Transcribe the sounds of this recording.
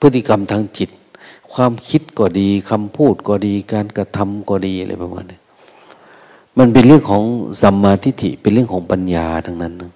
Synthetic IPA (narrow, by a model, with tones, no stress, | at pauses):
pʰɯ˦˥t̪ʰːi˧ka˧˨mt̪ʰaː˧ŋt͡ɕi˧˦t̪̚kʰwaː˧˥˨mkʰi˦˥t̪̚kɔː˧˩diː˨˧kʰa˧mpʰuː˥˩t̪̚kɔː˧˩diː˧kaː˧˨nka˧t̪ʰa˧mkɔː˧˩diː˧hla̰˧˩pa˧ma̰ː˧˩na˧˩ | ma˧˥˨npe˧˨nlɯ˥˩əŋkʰɔː˩˦ŋsa˨˦mːaː˧t̪ʰi˧t̪ʰḭ˧˨pe˧nlɯ˥˩əŋkʰɔː˨˦ŋpa˧njaː˨˩da˧˩ŋna˧˥˩nːa˧ŋ